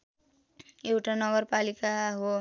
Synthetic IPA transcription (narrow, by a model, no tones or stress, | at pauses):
ewʈanʌɡʌrpalikaɦo